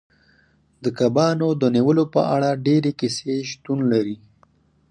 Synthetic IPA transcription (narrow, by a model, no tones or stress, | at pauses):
d̪əkabɑnod̪əniwəlopə̰a̰ɽaɖeɾekiseʃt̪unlaɾi